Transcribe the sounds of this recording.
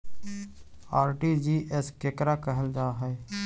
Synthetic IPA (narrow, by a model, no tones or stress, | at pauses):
aːɾʈiːd͡ʒiːʔeskekɾaːkəɦəld͡ʒaːɦɛː